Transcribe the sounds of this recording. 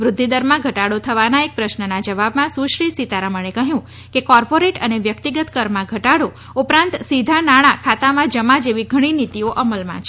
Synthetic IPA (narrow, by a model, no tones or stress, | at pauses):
ʋɾʊd̪ʱːid̪əɾmãɡʱəʈaɽot̪ʰəʋanaek̚pɾəʃnənad͡ʒəʋabmãsũʃɾisit̪aɾaməɳ̃ekəɦjũ | kekɔɾpoɾeʈəneʋjəkt̪iɡət̪kəɾmãɡʱəʈaɽo | upɾãnt̪sid̪ʱanaɽ̃ãkʰat̪amãd͡ʒəmad͡ʒeʋiɡʱəɽ̃init̪ioʔəməlmã̰t͡ʃʰe